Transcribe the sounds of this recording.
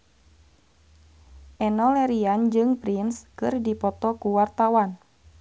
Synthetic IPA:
ʔɛnɔlɛɾiand͡ʒɨŋpɾinskɨrdipɔt̪ɔkuwart̪awan

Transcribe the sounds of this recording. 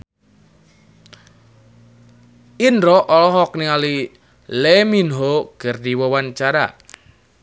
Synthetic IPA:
ʔinɾɔʔɔlɔɦɔk̚niali | leminɦoɡ̥ərdiwɔwant͡ʃaɾa̰

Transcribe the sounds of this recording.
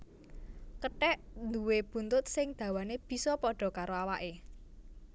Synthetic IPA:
kəʈɛʔnd̪uweb̥ṳnt̪ʊt̪̚sɪŋd̪̥ä̤waneb̥i̤sɔpɔɖ̥ɔ̤kaɾoawaʔe

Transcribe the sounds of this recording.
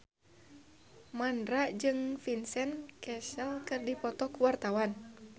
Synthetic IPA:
mandɾaʔd͡ʒɨŋfinsɛnkɛsəlkɨrdipɔt̪ɔkuwart̪awan

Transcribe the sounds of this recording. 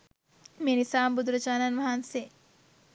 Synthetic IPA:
meːnisaːmbud̪ɾət͡ʃaːnanʋɐɦanse

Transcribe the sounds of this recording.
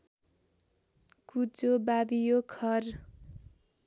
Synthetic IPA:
kut͡sobabijokʰʌr

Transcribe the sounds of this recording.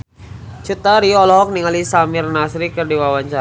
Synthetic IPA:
t͡ʃut̪aɾiɔlɔɦɔk̚niŋalisamɪrnasɾikərdiwawaɲt͡ʃa

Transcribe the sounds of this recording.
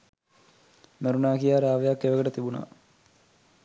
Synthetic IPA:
meɾunaːkijaːɾaːʋejakːeʋəɡəʈət̪ibuna̰

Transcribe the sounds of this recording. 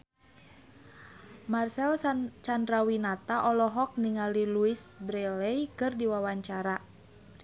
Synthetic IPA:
marsɛlt͡ʃandɾawinat̪aʔɔlɔɦɔk̚niŋaliluisbɾɛlɛjkɨrdiwawaɲt͡ʃaɾa

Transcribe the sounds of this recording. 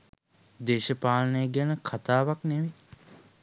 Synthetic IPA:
d̪eːʃəpaːlənəjəɡænəkʰat̪aːʋakneʋe

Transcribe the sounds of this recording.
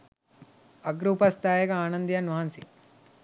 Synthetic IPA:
ɐɡɾuːpɐst̪ʰaːjɐkɐaːnɐnd̪jɐnʋɐɦɐnsi

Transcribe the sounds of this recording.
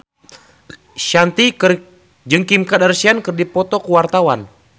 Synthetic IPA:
ʃant̪ikɨr | d͡ʒɨŋkimkadarsiankərdipɔt̪ɔkuwart̪awan

